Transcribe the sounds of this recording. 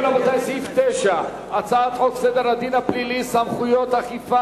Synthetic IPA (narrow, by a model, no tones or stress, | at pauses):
lamot̪ajsift̪ɛʃa | at͡saat̪oksɛd̪eɾad̪inaplilisamχujot̪aχifa